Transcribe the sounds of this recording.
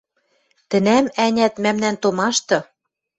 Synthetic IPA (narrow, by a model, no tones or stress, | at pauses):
t̪ɘ̆næmænʲæt̪mæmnænt̪omɑʃt̪ɤ̆